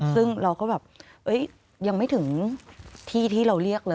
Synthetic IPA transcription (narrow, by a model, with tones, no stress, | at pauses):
sɯ˥˩ŋɾa˧wkɔː˥˩bɛː˨˩p̚ | ʔɤ˦˥j | ja˧ŋma˥˩jt̪ʰɯ˩˦ŋ | t̪ʰiː˥˩t̪ʰiː˥˩ɾa˧wɾi˥˩ək̚lɤː˧